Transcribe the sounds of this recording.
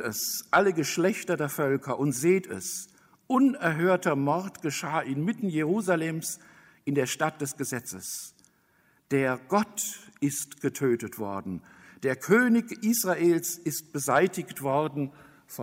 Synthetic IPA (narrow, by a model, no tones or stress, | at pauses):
ɛsʔaləɡəʃlɛçtɐdeːɐfœlkʰɐʔʊntz̥eːtɛ̰s | ʔʊnɛɐɦøːɐtɐmɔʁtɡ̥əʃaːʔɪnmɪtn̩jeʁ̞uːzalɛːms | ʔɪndeːɐʃtat̚d̥ɛsɡ̥əzɛt͡səs | d̥eːɐɡ̥ɔtʔɪstɡ̥ətʰøːtətv̥ɔ̰ɐdn̩ | d̥eːɐkʰøːnɪçʔiːsʁ̥aʔeːlsɪst̚b̥əzaɪtɪçtv̥ɔʁdn̩ | fɔ